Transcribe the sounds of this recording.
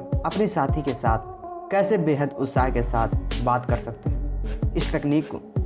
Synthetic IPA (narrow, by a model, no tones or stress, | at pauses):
ɐpnisaːt̪ʰikesaːt̪ʰ | kɛːsebeːɦəd̪ʊt̪saːɦkesaːt̪ʰbaːt̪kɐɾsɐk̚t̪eɦɛ̃ɪsʈ̪ɛkniːkːo̰